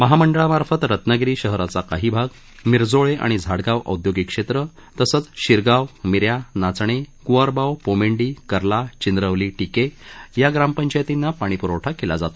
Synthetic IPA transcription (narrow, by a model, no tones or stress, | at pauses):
məɦaməɳɖəɭamaɾfət̪ɾət̪nəɡɾiːɕəɦɾat͡sakaɦiːbʱaɡ | miɾd͡zoɭeʔa̰ɽ̃id͡zʱaɽɡaʋə̰d̪joɡikʂet̪ɾə | t̪əsət͡sɕiɾɡawmiɾjanat͡sɳ̃ekuʋaɾbawpomeɳɖiːkəɾlat͡ɕind̪ɾəʋliːʈikejaɡɾampəɲt͡ɕajt̪inːapaɽ̃ipuɾəwʈʰakelad͡zat̪o